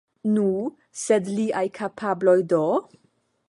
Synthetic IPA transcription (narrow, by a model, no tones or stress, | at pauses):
nu | sedliʔajkʰapʰablo̞jdo